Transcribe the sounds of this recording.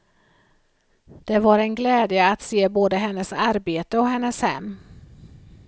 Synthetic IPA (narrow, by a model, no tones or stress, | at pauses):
d̪̥ɛvaɾɛnɡlɛːd̪jəat̪seːboːd̪əɦɛnːəsaɾbeːt̪əɔɦɛnːəshɛ̰mː